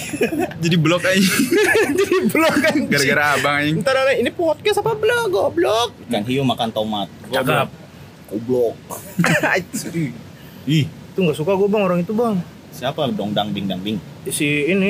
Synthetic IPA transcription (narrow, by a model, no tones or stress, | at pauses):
d͡ʒadiblɔkaj | d͡ʒadiblɔkanɡaɾaɡaɾaabaŋnt̪aɾanainipɔt̪̚kɛstapablɔk̚ɡblɔk̚kanɦijomakant̪amat̪̚ɡuaa | koblɔk̚ | ait̪sbi | ih | t̪uŋɡaʔsukaɡuabaŋoɾaŋit̪ubaŋ | siapadɔŋdaŋbɪŋdaŋbɪŋ | isiːni